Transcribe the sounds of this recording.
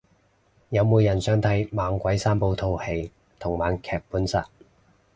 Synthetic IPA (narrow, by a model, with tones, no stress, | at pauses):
jɐ˨˧wmuː˨˧jɐ˨˩nsœː˨˧ŋt̪ʰɐ˨˥jmaː˨˧ŋkʷɐ˨˥jsaː˥mpo˧wt̪ʰo˧whe˨˧j | t̪ʰʊ˨˩ŋwaː˨˧nkʰɛː˨˩k̚puː˨˥nsa̰ː˨˥t̚